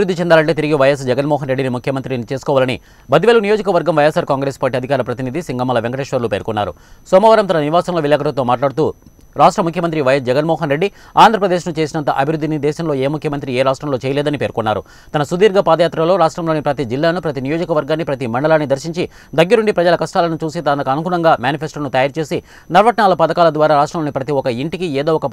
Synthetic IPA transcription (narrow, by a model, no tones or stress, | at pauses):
ɐbiɾud̪ːit͡ʃɛnd̪aːlɐɳʈeːt̪̬iɾiɡiʋɐjɐs̬d͡ʒɛɡɐnmɔːɦɐnɾeɖːinimukʰjɐmɐnt̪ɾinit͡ʃe̞ːsu̥kɔːʋaːlɐnḭ | bɐd̪iʋeːlunijod͡ʒɐkɐʋɐɾɡɐmʋɐjesaːɾkaːŋɡɾeːspaːʈ̬ːiɐd̪ʱikaːɾɐpɾɐt̪inid̪isiŋɡɐmɐlɐʋeŋkɐʈeːʂʋɐɾlupeːɾkunːa̰ːɾṵ | sɔːmɐːʋɐɾɐmt̪ɐnɐniʋaːsɐmlo̞ːʋilɛːkɐʈɐt̪oːmaːʈlaːɽt̪uː | ɾaːʂʈɾɐmukʰjɐmɐnt̪ɾiʋɐjɐs̬d͡ʒɛɡɐnmɔːɦɐnɾe̞ɖːi | aːnd̪ʱɾɐpɾɐd̪eːʃnut͡ʃeːsinɐnt̪ɐʔɐbʱiɾud̪ʱːinid̪ɛːʃɐmlo̞ːeːmukʰjɐmɐnt̪̬ɾieːɾaːʂʈɾɐmloːt͡ʃɛːjɐlɛːd̪ɐnipe̞ːɾkunːa̰ːɾṵ | t̪ɐnɐsud̪iːɾɡapaːd̪ɐjaːt̪ɾɐlo̞ːɾaːʂʈɾɐmloːnipɾɐt̪id͡ʒilːaːnupɾɐt̪inijo̞ːd͡ʒɐkɐʋɐɾɡaːnːipɾɐt̪imɐɳɖɐlaːnːid̪ɐɾʃiɲt͡ʃi | d̪ɐɡːɐɾuɳɖipɾɐd͡ʒɐlɐkɐʂʈaːlɐnut͡ʃuːsit̪aːnt̪ɐkɐɐnukuːlɐŋɡaːmjaːnipʰesʈɐɾnut̪ɐjaːɾt͡ʃe̞ːsi | nɐɾʋɐʈɐɳaːlɐpɐd̪ɐkaːlɐd̪ʋaːɾaːɾaːʂʈɾɐmloːnipɾɐt̪iɔkɐiɳʈikieːd̪oːɔkɐ